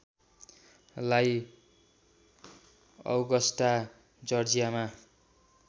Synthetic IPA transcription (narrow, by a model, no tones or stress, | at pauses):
laj | ʌ̰wɡʌsʈa | d͡zʌrd͡zijama